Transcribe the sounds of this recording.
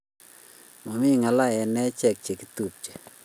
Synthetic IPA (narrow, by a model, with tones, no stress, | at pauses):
ma˩˨mi˩˨ŋa˩˨la˨je˩˨nɛː˥˨t͡ɕʰɛ˥˨k̚t͡ɕe˩˨ki˨t̪u˥˨p̚t͡ɕə˨